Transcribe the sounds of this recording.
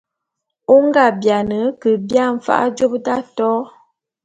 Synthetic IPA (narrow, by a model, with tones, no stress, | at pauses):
o˦ŋɡa˦bja˨nə˨˦kə˨bja˦ɱ̩˨fa̰˦ʔa̰˦d͡ʒo˦pda˦tɔ˦